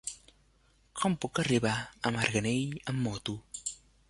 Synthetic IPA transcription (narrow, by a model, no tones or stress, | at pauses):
kʰɔmpukɐɾɪbaamaɾɡənejamːɔt̪u